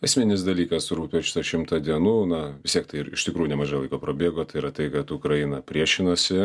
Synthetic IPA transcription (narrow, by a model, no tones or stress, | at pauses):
ɐsʲmʲɪnʲɪsd̪ɐlʲiːkɐsɾuːpʲɛʃʲɪ̥t̪ɐʃʲɪmt̪ɐd̪ʲiɛnuːnɐʋʲɪst̪ʲiɛkt̪ɐɪɪɾɪʃt̪ʲɪkɾuːjʊnʲɛmɐːʒɐlˠɐɪkoːpɾoːbʲeːɡoːt̪ɐɪiɾɐt̪ɐɪkɐt̪ʊkɾɐjɪnɐpʲɾʲiɛʃʲɪnɐsʲɪ